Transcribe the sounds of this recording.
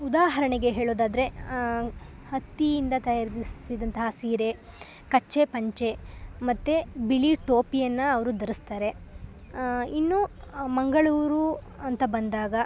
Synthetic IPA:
ud̪aːɦɐɾɐɳeɡe̞ɦeːɭoːd̪aːd̪ɐɾe̞ | hɐt̪ːijːnd̪ɐt̪ɐjaɾd̪iid̪ɐnt̪ɐɦɐsiːɾe̞ | kɐt͡ʃːepɐɲt͡ʃe̞mɐt̪ːebiɭiʈoːpijɐnːɐɐʋɐɾud̪ɐɾust̪aːɾe̞ | inːumɐŋɡɐɭuːɾu | ɐnt̪ɐbɐnd̪aːɡɐ

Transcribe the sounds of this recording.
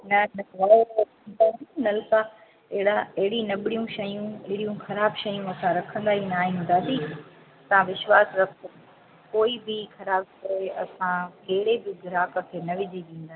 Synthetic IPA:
nɐnɐʋaːjoɐ̃ | nd̪aːnɐlkaː | ɐɦɪɽaɐɦɪɽinɐɓɽijũʃɐjũɪɦɪɽijũxɐɾaːbʃɐjũɐsãɾɐkʰə̃nd̪aːɦĩnaːɦiɦũnd̪aːsiː | ɐsãʋɪʃwaːsɾɐkʰo | koːibɪxɐɾaːbkɐɾeɐ̰sãkeːɪɽebɪɡɪɾaːkə̆kʰeːnɐʋɪd͡ʑʱiʋĩːnd̪aː

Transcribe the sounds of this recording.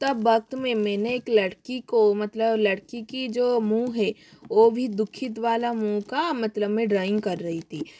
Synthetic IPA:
t̪ɐbːɐk̚t̪mẽmɛːneeːklɐɽkikomɐt̪ləblɐɽkikid͡ʒoːmũɦɛʋoːbʱid̪ʊkʰɪt̪ʋaːlamũkamɐt̪ləbmẽɖɾaːɪ̃ŋɡkɐɾːɐɦit̪ʰiː

